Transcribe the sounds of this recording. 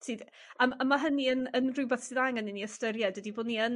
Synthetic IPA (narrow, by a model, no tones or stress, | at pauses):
sɨːð | amamaɦəniənənrʊwbɛθsiðajŋəniniəstəɾjɛdwədiboːdniən